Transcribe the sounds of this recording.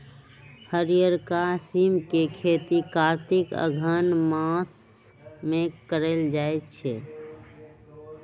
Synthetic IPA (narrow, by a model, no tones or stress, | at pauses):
həɾijəɾkasimkekʰet̪ikaɾt̪ikə̰ɡʱənmãs | mẽkəɾeld͡ʒaet̪t͡ʃʰɛ